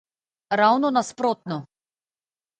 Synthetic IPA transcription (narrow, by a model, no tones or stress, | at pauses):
ɾawnɔnaspɾɔt̪̚nɔ